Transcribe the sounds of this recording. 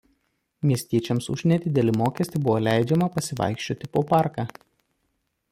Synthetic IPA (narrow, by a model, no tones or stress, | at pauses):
mʲiɛsʲt̪ʲiɛt͡ʃʲɛmsʊ̰ʒʲnʲɛd̪ʲɪd̪ʲɛlʲɪmoːkʲiɛsʲt̪ʲɪbʊʋoːlʲæˑɪd͡ʒʲɛmɐpɐsʲɪʋɐ̰ɪkʃʲt͡ʃʲoːt̪ʲɪpoːpɑˑɾkaː